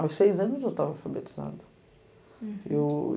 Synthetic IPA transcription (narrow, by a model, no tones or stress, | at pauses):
awssejzɐ̃nʊzewt̪avɐawfabet͡ʃi̥zɐ̰̃d̪ʊ | ḛw